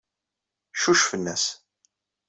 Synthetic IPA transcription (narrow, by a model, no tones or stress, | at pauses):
ʃuʃfənːæs